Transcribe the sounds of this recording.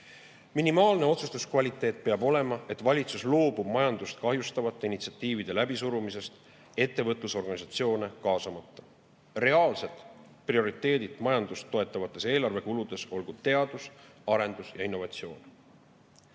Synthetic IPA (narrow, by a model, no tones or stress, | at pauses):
minimɑːlne̞o̞t̪sust̪uskvɑlʲit̪ːˑe̞ːt̪̚ˑpeɑbo̞le̞mɑe̞t̪ːˑvɑlʲit̪suslo̞ːbub̥mɑjɑnd̪̥ust̪kɑɦjust̪ɑvɑt̪ːˑeinit̪si̥ɑt̪ːˑiːvid̪̥e̞læbisuɾumise̞st̪ | e̞t̪ːe̞vɤt̪ˑluso̞rɡɑnisɑt̪sio̞ːne̞kɑːsɑmɑt̪ːɑ̥ | re̞ɑːlse̞t̪ˑ | prio̞ɾit̪ːˑe̞ːd̪id̪mɑjɑnd̪̥ust̪ːo̞e̞t̪ːˑɑvɑt̪ːˑe̞se̞ːlɑrve̞kulud̪̥e̞so̞lɡ̥ud̪t̪e̞ɑd̪̥usɑɾe̞nd̪usjɑinːo̞vɑt̪sio̞ːn